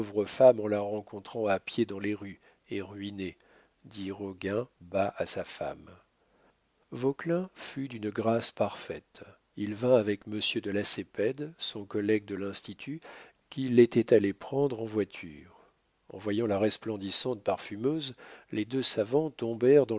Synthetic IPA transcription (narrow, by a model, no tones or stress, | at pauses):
ovʁəfamɑ̃laʁɑ̃kɔ̃t̪χɑ̃apjed̪ɑ̃leʁy | eʁɥine | d̪iʁɔɡʲɛ̃baʔasafa̰m | vɔklɛ̃fyd̪ynɡʁaspaʁfɛt̪ | ilvɛ̃avɛkməsjød̪əlasepɛd̪sɔ̃kɔlɛɡ̚d̪əlɛ̃st̪it̪ʰy | kʲilet̪ɛt̪alepχɑ̃d̪ʁɑ̃vwat̪ʰyːʁ | ɑ̰̃vwajɑ̃laʁɛsplɑ̃d̪isɑ̃t̪̚paʁfymøzled̪øsavɑ̃t̪ɔ̃bɛʁd̪ɑ̃